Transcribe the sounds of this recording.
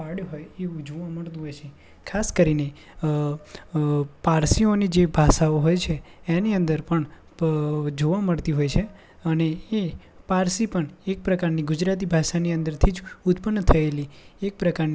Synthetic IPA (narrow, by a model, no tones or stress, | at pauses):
paɽɦojeũd͡ʒoʋaməɽt̪ũɦɔjt͡ʃʰe | kʰaskəɾine | paɾsionid͡ʒebʱaʃaoɦɔjt͡ʃʰeː | niə̃nd̪əɾpəɳ | d͡ʒoʋaməɽt̪iɦojt͡ʃʰe | əneː | paɾsipəɳek̚pɾəkaɾniɡʊd͡ʒɾat̪̬ibʱaʃaniə̃nd̪əɾt̪ʰid͡ʒʊt̪pənːt̪ʰəeliek̚pɾəkaɾni